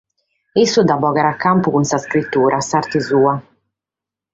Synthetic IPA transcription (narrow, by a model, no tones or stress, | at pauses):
isːud̪abɔːɣaɾakːampukunsaskɾit̪ːuːɾʔasaɾt̪izuːa